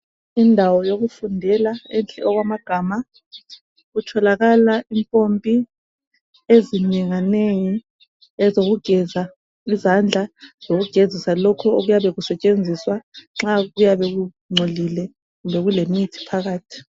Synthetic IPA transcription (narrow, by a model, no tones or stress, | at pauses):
indʱawɔjoɣufundʱɛlaɛnt͡ɬʼɛɔɣwamaɡ̥ʱaːma | ɣutʰɔlaɣalaʔimpʼompʼi | eziɲiŋaneji | ɛzoɣuɡ̥ʱɛza | izand͡ɮʱaz̥oɣuɡ̥ʱezisalɔkʰɔoɣujaβɛɣusɛt͡ʃʼend͡zʱiswaŋ͡ǁaɣujaβɛɣu | ŋ͡ǀʱolilɛ | ɣumbʱɛɣulemitʰi̥pʰaɣaːtʰi̥